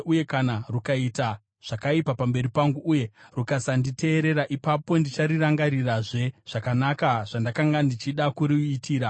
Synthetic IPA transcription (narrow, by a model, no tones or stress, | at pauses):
uje̞kanarukaita | ʐ̥akaipapambe̞ɾipaŋɡuuːje̞rukasandite̞ːɾe̞ɾaʔipapo̞ndit͡ʃaɾiraŋɡaɾiraʐe̞ʐ̥akanakaʐ̥andakaŋɡandit͡ʃiɗakuɾiːtʰiːɾa